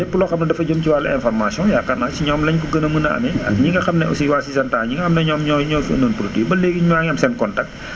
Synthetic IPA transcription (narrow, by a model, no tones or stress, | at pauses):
ɛpːulɔxɐmnɐdɐfɐɟomciwalːɐɛnfɔrmasjɔ̃jaːkɐnasiɲɔːmlɐɲkuɡənɐmənɐɐ̰mɛɐɲiŋɡɐxɐmnɛusiwasisɐntaːɲiŋɡɐxɐmnɛɲɔːmɲɔɲɔfuɐ̰noːnpɾotibɐleːɡiɲuwaːŋɐmsɛnkɔntɐk̚t